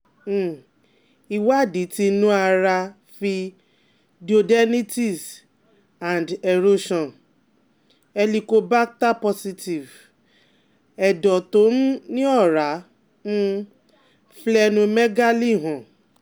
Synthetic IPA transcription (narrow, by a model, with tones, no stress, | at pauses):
i˨wa˦˨di˨˦ti˧nũ˦a˧ɾa˧ | fi˧ | di˨o˧dɛ˦ni˦ti˦˨s | ã˨ndɛ˨ɾo˦ʃɔ̃˨n | ɛ˧li˧ko˧ba˦k̚ta˦pɔ˧si˧ti˨v | ɛ˨dɔ˨to˨˦n̩˦nĩ˦ɔ˦˨ɾa˨˦ | nũ˦ | flɛ˧nũ˧mɛ˦ɡa˦li˦˨ɦɔ̃˨